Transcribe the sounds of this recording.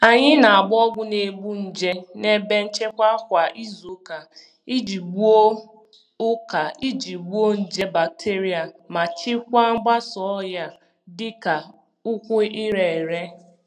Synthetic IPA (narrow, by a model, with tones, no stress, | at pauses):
a˨ɲɪ˦na˨a˨ɡ͡bʊ˦ɔ˦ɡʷʊ˦ne˨bu˦n̩˨d͡ʒe˦ne˦be˦n̩˦t͡ʃe˦kʷa˦kʷa˨ʔi˦zu˨ka˨ | i˦d͡ʒi˨ɡ͡bu˦o˦ | ʊ˦ka˨i˦d͡ʒi˨ɡ͡bu˦o˦n̩˨d͡ʒe˦ba˨k̚tʰe˦ɾi˦a˨ma˨t͡ʃɪ˦kʷa˦ŋ͡m̩˦ɡ͡ba˦sɔ˨˦ja˦ | dɪ˦ka˨ | ʊ˦kʷʊ˦i˦ɾe˨ɾe˦